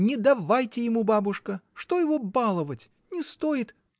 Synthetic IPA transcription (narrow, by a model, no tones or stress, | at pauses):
nʲɪd̪ɐvajtʲɪjɪmubabʊʂkəʂt̪ojɪvobalˠəvətʲ | nʲɪst̪ojɪt̪